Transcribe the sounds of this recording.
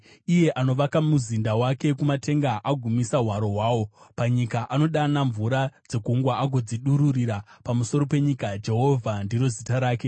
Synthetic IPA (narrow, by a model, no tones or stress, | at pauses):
ije̞ʔano̞ʋakamuzindawake̞kumate̞ŋɡaʔaɡʱumisaɦwaɾo̞ɦwaːwo̞paɲikaʔano̞ɗanaɱvuɾad͡ze̞kuŋɡwaaɡʱo̞d͡ziɗuɾuriɾapamuso̞ɾo̞pe̞ɲikad͡ʒe̞ɦo̞vʱandiɾo̞zitaɾaːke̞